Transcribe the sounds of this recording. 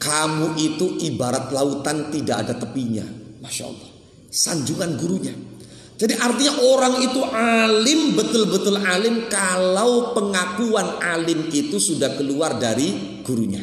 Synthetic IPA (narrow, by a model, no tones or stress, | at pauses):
kamuʔit̪uʔibaɾat̪laut̪ant̪idaʔa̰dat̪əpiɲa̰maʃa̰lˠːɔ̰h | saɲd͡ʒuŋanɡuɾuɲa | d͡ʒadiʔart̪iɲaʔoɾaŋit̪uʔalɪmbət̪ʊlbət̪ʊlalɪmkalawpəŋakuanalɪmit̪usudahkəluardaɾi | ɡ̥uɾuɲa̰